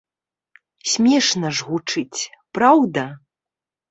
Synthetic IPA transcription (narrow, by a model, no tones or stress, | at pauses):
sʲmʲɛʂnɐʐɣut͡ʂɨt͡sʲpɾawd̪ɐ